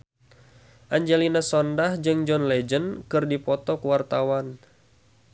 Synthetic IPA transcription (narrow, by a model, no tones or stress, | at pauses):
ʔaɲd͡ʒɛlinasɔndahd͡ʒɨŋd͡ʒɔnlɛd͡ʒənkɨrdipɔt̪ɔkwart̪awan